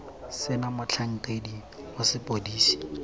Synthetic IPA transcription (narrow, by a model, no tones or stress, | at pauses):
sɪnamʊt͡ɬʰaŋ̩tedi | hʊsɪpʼodiːsi̥